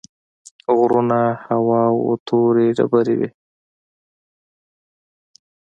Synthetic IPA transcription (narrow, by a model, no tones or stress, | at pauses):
ɣɾunahawɑwo̰t̪ʰoɾeɖa̰baɾḭwḭ